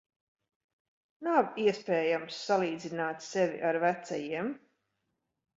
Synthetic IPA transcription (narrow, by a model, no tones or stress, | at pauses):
naviɛspʲɛːjamsːalˠiːd̪zinaːt̪sɛvʲḭʔaɾvæt̪sajiɛm